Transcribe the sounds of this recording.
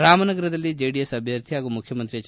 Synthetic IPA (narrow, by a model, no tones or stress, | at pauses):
ɾaːmɐnɐɡɐɾɐd̪ɐlːid͡ʒeːɖijesɐbʱjɐɾt̪ʰiaːɡumukʰjɐmɐnt̪ɾiɐt͡ʃ